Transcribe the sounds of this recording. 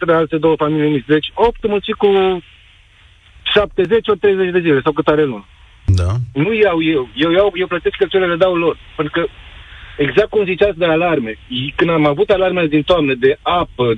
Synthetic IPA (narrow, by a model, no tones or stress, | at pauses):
t̪ɾeealt̪ed̪o̞wəfamiliemist̪d̪et͡ʃʲo̞pt̪mult̪siku | ʃap̚t̪e̞ze̞t͡ʃʲort̪ɾejzet͡ʃd̪e̞zile̞sawkut̪aɾelun | d̪anujeɾawje̞wje̞wjawje̞wplət̪eskːəlt͡ʃeleled̪awlo̞rpent̪ɾukə | eɡzakt̪̚ːkumzit͡ʃasd̪ealarme̞ikɨnd̪amavut̪alarmeed̪int̪oamned̪e̞apə